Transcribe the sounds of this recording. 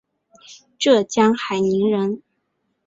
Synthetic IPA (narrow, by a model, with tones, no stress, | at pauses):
ʈ͡ʂɤ˥˩t͡ɕjɑ˥ŋxa˨˩ɪni˧˥ŋɻə˧˥n